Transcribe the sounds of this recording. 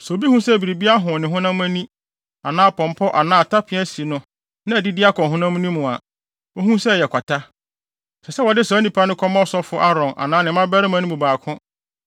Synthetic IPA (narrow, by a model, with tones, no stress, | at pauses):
sɔ˨o˨bi˦hũ˦sɛ˦˨bi˨ɾi˨bi˦a˦ɦʊ̃˨nɪ̃˨ɦʊ̃˦nã˦m˦æ˦nĩ˦ | a˨nãː˦˨pʰɔ̃˨m˨pʰɔ˦ʔa˨nãː˦˨tʰa˦pʰɪ̃˨˦æ˦si˨nʊ̃˦ | nã˦˨æ˨di˦dɪ˦a˦kʰɔ̃˨ɦʊ̃˦nã˦m̃˦nĩ˦mʊ̃˨a̰˨ | o˦hũ˦sɛ˦˨jɛ˨kʷʰa˨tʰa˦ | sɛ˨sɛ˦wɔ˨dɪ˦sɔ˨˦nĩ˨pʰa˦nʊ̃˦kʰɔ˦mɔ̃˦sɔ˦fʊ˦ʔa˦ɾɔ̃˨nʔa̰˨nãː˦nɪ̃˨˦mã˦bɛ˦ɾɪ˦mã˦nʊ̃˦bu˨baː˨kʰʊ̃˦